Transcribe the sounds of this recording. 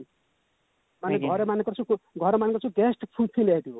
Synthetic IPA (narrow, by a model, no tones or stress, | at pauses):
maneɡʱʌɾemanekʌrt͡sʰuɡʱʌɾemanekɔrt͡sʰuɡesʈpʰupʰilad̪jo